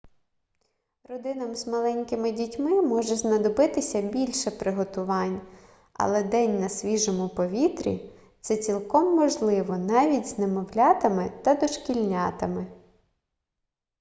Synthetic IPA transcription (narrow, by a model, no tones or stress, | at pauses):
rɔd̪ɪnɐmzmɐlˠɛnʲkɪmɪdʲitʲmɪmɔʒɛznɐd̪ɔbɪt̪ɪsʲɐbʲilʲʃɛpɾɪɦɔt̪ʊʋɑnʲ | ɐ̰lˠɛd̪ɛnʲnɐsʲʋʲiʒɔmʊpɔʋʲit̪ɾʲḭ | t̪sɛt͡sʲilˠkɔmːɔʒlˠɪʋɔnɑʋʲitʲznemɔwlʲɑt̪ɐmɪt̪ɐd̪ɔʃkʲilʲnʲɑt̪ɐmɪ